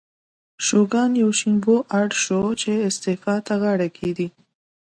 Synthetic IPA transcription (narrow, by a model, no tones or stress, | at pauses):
ʃoɡɑnjawʃimboʔaɽʃot͡ʃeɪst̪efɑt̪aɣaɽakʰed̪i